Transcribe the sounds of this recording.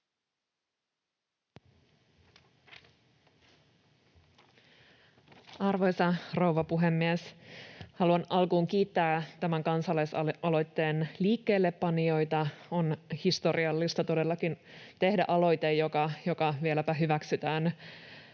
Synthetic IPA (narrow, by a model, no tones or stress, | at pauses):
ɑrʋo̞jsɑrowʋɑpuɦemːieshɑluɑnɑlkuːŋk̟iːt̪ːæːt̪æmæŋkɑnsɑlɑjsɑɑlo̞jt̪ːe̞ːnliːkːe̞ːlːe̞pːɑnio̞jt̪ɑo̞nhist̪o̞ɾiɑlːist̪ɑt̪o̞de̞lːɑkint̪e̞hdæʔɑlo̞jt̪ejjo̞kɑjo̞kɑʋielæpæɦyʋæksyt̪æːn